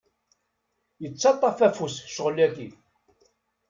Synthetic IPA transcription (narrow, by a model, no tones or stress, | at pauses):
jət͡sːɑt̪ˤːɑfæfusʃəʁəlæki